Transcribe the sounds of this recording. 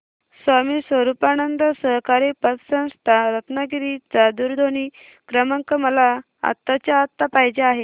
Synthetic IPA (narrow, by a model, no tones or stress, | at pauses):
sʋamiːsʋəɾupanənd̪əsəɦkaɾipətsə̃w̃st̪ʰaɾət̪naɡiɾit͡sad̪uɾd̪ʱoni | kɾəməŋkəməla | a̰t̪ːat͡ɕjaːt̪ːapaɦid͡ʑeaɦe